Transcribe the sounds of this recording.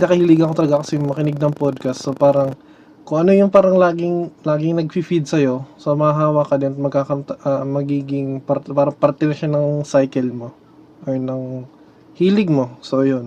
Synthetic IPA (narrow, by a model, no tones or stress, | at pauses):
nɐkɐhiːlɪɡɐɐkot̪ɐlɐɡakɐsɛjʊŋmɐkɪnɪɡ̚nɐŋpod̪̚kɐst̪so̞paːɾɐŋ | kʊŋʔɐno̞jʊŋpaːɾɐŋlaːɡɪŋlaːɡɪŋnɐɡ̚fifid̪̚sɐjo̞somɐhɐɦaːwakɐd̪ɛnɐt̪̚mɐɡ̚kakɐmt̪ɐʔɐmɐɡiːɡɪŋpɐɾpaːɾɐŋpɐɾt̪ɪnɐʃanɐŋsajkɛlmo̞ | ʔoɹnɐŋ | hiːlɪɡ̚mo̞so̞jon